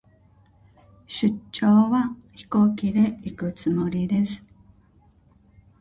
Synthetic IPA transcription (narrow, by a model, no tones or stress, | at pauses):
ɕɨːo̞ːβaçi̥ko̞ːkʲid̪e̞ikɯ̟t͡sɨmo̞ɾʲid̪e̞sɨ̥